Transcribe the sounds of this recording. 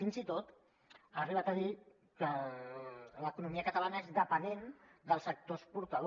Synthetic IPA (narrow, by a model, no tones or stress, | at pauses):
inzit̪ot̪ | əriβat̪aði | kə | ləkunumiəkət̪alanəezðəpənend̪əlˠsək̚t̪ospuɾt̪əð